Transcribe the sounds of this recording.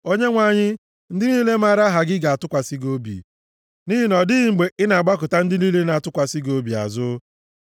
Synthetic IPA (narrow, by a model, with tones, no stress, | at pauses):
o˦ɲe˦ŋʷa˨ɲɪ˦ | n̩˦dɪ˦ni˦le˦ma˦ɾa˦ɦa˨ɡɪ˦ɡa˨a˨tʊ˦kʷa˨si˦ɡo˦bḭ˨ | ni˦ɦi˦nɔ˨dɪ˦ɣɪ˨ŋ͡m̩˨ɡ͡be˨ʔɪ˦na˨a˨ɡ͡ba˦kʊ˨ta˦n̩˦dɪ˦ni˦le˦na˨a˨tʊ˦kʷa˨si˦ɡo˦bi˨a̰˨zʊ˦